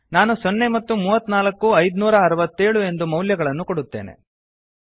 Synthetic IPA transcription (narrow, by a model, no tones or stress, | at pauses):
naːnusonːe̞mɐt̪ːumuːʋɐt̪ːnaːlɐkːuɐjd̪nuːɾɐːɾɐʋɐt̪ːe̞ːɭue̞nd̪umɐwljɐɡɐɭɐnːukoɽut̪ːe̞̰ːne̞̰